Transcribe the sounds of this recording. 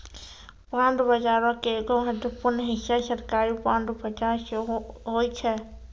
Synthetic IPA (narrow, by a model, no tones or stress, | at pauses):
pãːɳɖbəd͡ʒaːɾõkeɡoɦəd̪əpʊɾnɦɪʃːaʃəɾkaːɾipãːɳɖbəd͡ʒaʃɦoːit͡ʃʰɛ